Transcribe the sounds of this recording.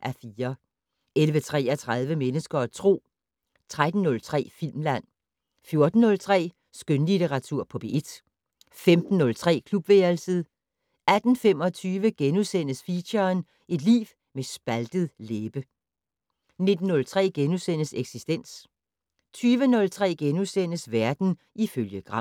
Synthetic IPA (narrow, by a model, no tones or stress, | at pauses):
ʔæɐfiːɐ | elʋət͡sʰʁɛ̰ːɐt͡sʰʁað̞ˠʋəmenəsɡ̥ɐt͡sʰʁo̝̰ː | t͡sʰʁad̥n̩ːɔ̽lt͡sʰʁɛ̰ːfil̰mlæn̰ | fjo̝ɐd̥n̩ːɔ̽lt͡sʰʁɛ̰ː | sɡ̥ønlit͡sʰeʁɑ̈t͡sʰuɐ̰pʰɒ̽b̥e̝ed̥ | femd̥n̩ːɔ̽lt͡sʰʁɛ̰ːkʰlub̥ʋelsəð̩ˠ | æd̥n̩fem̰ɒ̽t͡sʰyːʋəɡ̥enusen̰əsfiɕɐn | e̝d̥lḭːʋ | mesb̥æld̥əð̞̩ˠleːb̥ə | ne̝d̥n̩ːɔ̽lt͡sʰʁɛ̰ːɡ̥enusen̰əseɡ̥sisd̥en̰s | t͡sʰyːʋənɔ̽lt͡sʰʁɛ̰ːɡ̥enusen̰əsʋæɐd̥n̩ | iføljəɡ̥ʁɑ̈m